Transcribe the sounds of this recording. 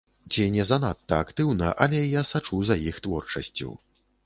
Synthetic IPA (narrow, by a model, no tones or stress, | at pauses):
t͡sʲinʲɛzɐnat̪ːɐakt̪ɨwnɐʔɐlʲɛjasat͡ʂuzɐjixt̪vɔrt͡ʂɐ̰sʲt͡sʲṵw